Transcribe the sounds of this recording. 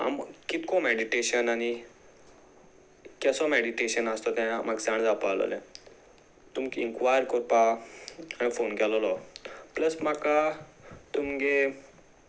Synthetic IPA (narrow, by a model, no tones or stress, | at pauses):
a̰mkit̪kɔ̃meɽiʈeɕənaɽ̃i | kɛsɔmeɽiʈeɕənəst̪ɔt̪aamaɡd͡zaɳd͡zapalɔ̰lɛ̰̃ | t̪umkiŋkʋajəɾkɔɾpa | añifonkɛlɔlɔpləsmakat̪umɡe